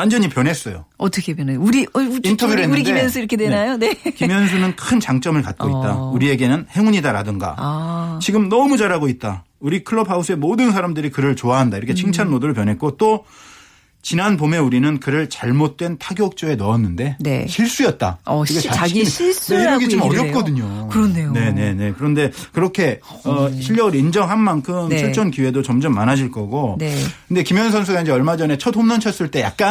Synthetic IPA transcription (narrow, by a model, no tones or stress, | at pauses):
wand͡ʑʌɲipjʌnɦe̞s͈ʌjo̰ʌtʰʌkʰepjneuɾiintʰʌbjueuɾikdiemjʌnsʰuiɾʌkʰedwenajonekimjʌnsʰunɯnkʰɯnt͡ɕaŋt͡ɕ͈ʌmɯɭkat̚k͈oitt͈a̰uɾie̞ɡe̞nɯnhe̞ŋuɲidaɾadɯŋɡa̰t͡ɕiɡɯmnʌmud͡ʑaɾaɡoit̚t͈a | uɾikʰɯɭːʌpʰaus͈ʰɯe̞modɯns̬ʰaɾamdɯɾikɯɾɯɭt͡ɕoaɦandaiɾʌkʰe̞t͡ɕʰiŋt͡ɕʰanmoduɾɯɭp̬jʌnɦe̞k͈ot͈o | t͡ɕinanpome̞uɾinɯnkɯɾɯɭt͡ɕaɭmot̚t͈we̞ntʰaɡjʌk̚t͡ɕ͈oe̞nʌʌnːɯnde̞nɕʰiɭs͈ujʌt̚t͈a̰ikʰeais͈deʌɡit͡ɕomʌɾjʌk͈ʌdɯɲokɯɾʌneone̞ne̞ne̞kɯɾʌnde̞kɯɾʌkʰe̞ | ʌɕʰiʎːʌɯɾind͡ʑʌŋɦanmankʰɯmʰiɭt͡ɕ͈ʌnkiwe̞dot͡ɕʌmd͡ʑʌmːanad͡ʑiɭk͈ʌɡokɯnde̞kimjʌns̬ʰʌnsʰuɡaind͡ʑeʌɭmad͡ʑʌne̞t͡ɕʰʌtʰomnʌnt͡ɕʰʌs͈ɯɭt͈e̞jak̚k͈a